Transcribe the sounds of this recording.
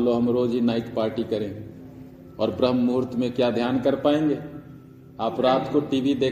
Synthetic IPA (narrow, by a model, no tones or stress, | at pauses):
loɦɐmɾoːd͡ʒɦinaːɪt̪paːɾʈikɐɾẽ | ɔːɾbɾəɦmːuːɾt̪mẽkjad̪ʱjaːnkəɾpaːẽːŋɡeː | aːpɾaːt̪koʈiːʋid̪eː